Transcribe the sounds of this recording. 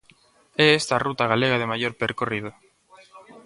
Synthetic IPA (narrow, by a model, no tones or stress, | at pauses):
ɛest̪arut̪aɣ̞aleɣað̞emajoɾpeɾkorið̞o